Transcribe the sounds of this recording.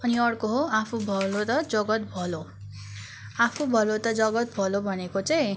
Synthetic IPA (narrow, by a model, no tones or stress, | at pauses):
ʌniʌɽkoɦoapʰubʱʌlot̪ʌd͡zʌɡʌt̪̚bʱʌlo | apʰubʱʌlot̪ʌd͡zʌɡʌt̪̚bʱʌlobʱʌnekot͡saj̃